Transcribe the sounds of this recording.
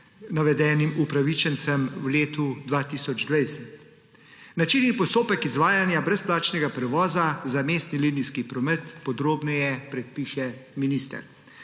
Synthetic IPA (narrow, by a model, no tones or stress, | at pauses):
naʋɛd̪ɛːnimupɾaʋit͡ʃənt̪sɛmwleːt̪ud̪ʋaːt̪isɔd͡ʒd̪ʋajsɛt̪ | nat͡ʃinːipɔst̪oːpɛkizʋaːjanjabɾɛsplaːt͡ʃnɛɡapɾɛʋɔːzazameːst̪niliniskipɾɔmɛt̪pɔd̪ɾoːbnɔjɛpɾɛt̪̚piʃɛminiːst̪ɛ̰ɾ